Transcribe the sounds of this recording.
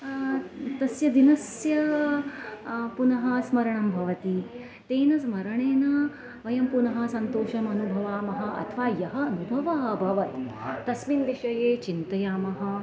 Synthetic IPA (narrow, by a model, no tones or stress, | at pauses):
t̪ɐsjɐd̪inɐsjɐ | punɐɦɐsmɐɾɐɳɐmbʱɐʋɐt̪i | t̪eːnɐsmɐɾɐɳeːnɐ | ʋɐjɐmpunɐɦɐ̆sɐnt̪oːʃɐmɐnubʱɐʋaːmɐɦɐ̆ʔɐ̰t̪ʰʋaːjɐɦɐɐnubʱɐʋɐɦɐbʱɐʋɐt̪t̪ɐsminʋiʃɐjeːt͡ʃint̪ɐjaːmɐɦɐ̆